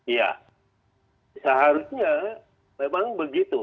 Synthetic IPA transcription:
ija̰ | səɦaɾʊsɲa | memaŋbəɡit̪u

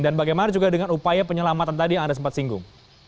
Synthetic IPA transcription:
danbaɡajmanad͡ʒuɡadəŋanupajapəɲəlamat̪ant̪adiaŋndasəmpat̪siŋɡʊ̰ŋ

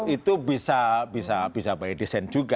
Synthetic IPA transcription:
it̪ubisabisab̥isabajɛd̥isɛnd͡ʒuɡa

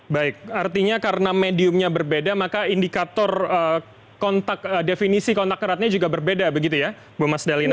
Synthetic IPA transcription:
baɪk̚art̪iɲakaɾənamediʊmɲabərbedamakaindikat̪ɔrə | kɔnt̪akədefinisikɔnt̪akəɾat̪̚ɲad͡ʒuɡabərbedabəɡit̪̬uja | bumasdalɪn

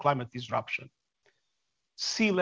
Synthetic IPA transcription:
klˠajmət̪̚d̪izɹʌ̰pʃə̰̃n | silɛ

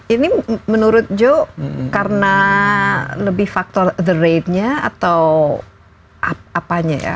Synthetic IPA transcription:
inimənuɾʊt̪̚d͡ʒoʔkarəna | ləbɪhfak̚t̪ɔrd̪əɾet̪̚ɲaa̰t̪aw | aapaɲa̰ja̰

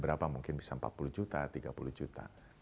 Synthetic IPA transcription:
bəɾapamuŋkɪnbisam̩pa̰t̪̚pulud͡ʒut̪at̪iɡapuluhd͡ʒut̪a̰

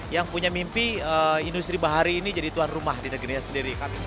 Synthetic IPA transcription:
jaŋpuɲamimpiəindust̪ɾibaɦaɾiːnid͡ʒadit̪uanrumahdinəɡiɾiɲasəndiɾika

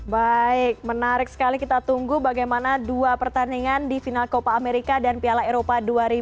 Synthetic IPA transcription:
baɪk̚mənaɾɪk̚sə̥kalikit̪at̪uŋɡubaɡajmanaduapərt̪aniŋandifinalkopaːmeɾikadanpialaeɾopaduaɾi

